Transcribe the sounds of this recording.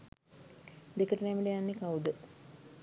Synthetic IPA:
d̪ekəʈənɛmiɖejanːekawd̪ə

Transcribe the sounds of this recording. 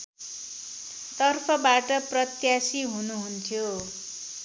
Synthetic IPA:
t̪ʌrpʰʌbaʈʌprʌt̪jasiɦunuɦunt̪ʰjo

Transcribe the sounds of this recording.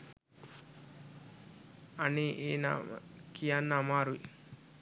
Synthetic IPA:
aneʔeːna̰kijanːamaːɾui

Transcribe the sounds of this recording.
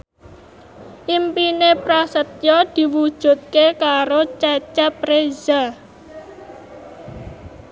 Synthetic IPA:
ʔimpinepɾasət̪jɔd̪̥i̤wud̥ʒ̥ṳt̪̚kekaɾot͡ʃat͡ʃapɾeza

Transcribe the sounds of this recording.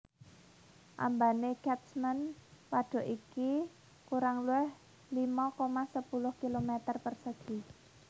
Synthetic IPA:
ʔa̰mbaneɡ̥ɛt̪smənpaɖ̥ɔ̤ʔiki | kuɾaŋluɛh | limɔkomasəpulʊhkilomɛt̪ərpərsəɡ̥i̤

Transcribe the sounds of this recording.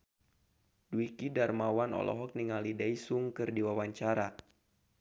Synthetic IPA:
duwikidarmawanɔ̰lʔɔ̰ɦɔk̚niŋalidaisuŋkɨrdiwawaɲt͡ʃaɾa

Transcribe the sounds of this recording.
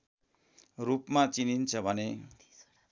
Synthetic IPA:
rupmat͡sinint͡sʰʌbʱʌne

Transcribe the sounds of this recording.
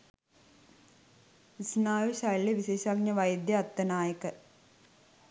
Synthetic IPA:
isnaːʋiɕɐɻɭeʋiɕeːɕaːɡ̚ɲɐʋɐjd̪jɐːt̪ːɐnaːjɐkːɨ

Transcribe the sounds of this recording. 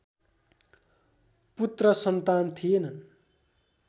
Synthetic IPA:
put̪rʌsʌnt̪ant̪ʰijenʌn

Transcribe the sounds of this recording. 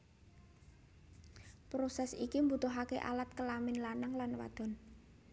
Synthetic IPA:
pɾosɛsikimbut̪ʊɦakḛʔa̰lat̪̚kəlamɪnlanaŋlanwa̰d̪̥ɔ̤n

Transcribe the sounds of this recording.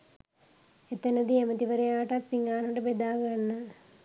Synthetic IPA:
et̪ɐnəd̪iemət̪iʋəɾejaːʋəʈappiŋaːnəʈəbed̪aːɡanːə

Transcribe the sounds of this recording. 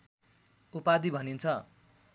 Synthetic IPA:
upad̪ibʱʌnint͡sʰʌ

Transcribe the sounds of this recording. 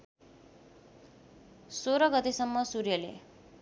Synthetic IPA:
soɾʌɡʌt̪esʌmːʌsurjʌlḛ

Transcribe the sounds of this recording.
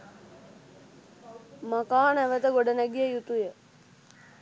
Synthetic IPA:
makaːnæʋət̪əɡoɖənɛɡijəjut̪ujə

